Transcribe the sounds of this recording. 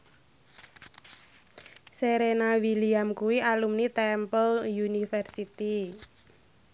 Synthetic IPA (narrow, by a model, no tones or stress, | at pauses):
seɾenawiliamkuwiʔalumnit̪ɛmpəljunifɛrsit̪i